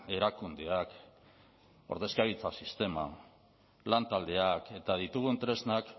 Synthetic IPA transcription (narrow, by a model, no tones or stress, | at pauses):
e̞ɾakund̪eak | o̞ɾðe̞skaβit͡sasist̪e̞ma̰ | lant̪ald̪e̞ake̞t̪aðit̪uɣ̞unt̪ɾe̞znak